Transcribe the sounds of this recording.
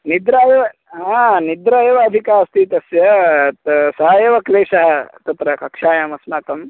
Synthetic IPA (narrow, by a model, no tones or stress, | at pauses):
nid̪ɾaːjeʋɐ | ɦãnid̪ɾajeʋɐd̪ʱikaːɐst̪iːt̪ɐsjɐt̪sɐɦɐjeʋɐkleːsɐɦɐt̪ɐt̪ɾɐkɐkʂaːjaːmɐsnaːkɐm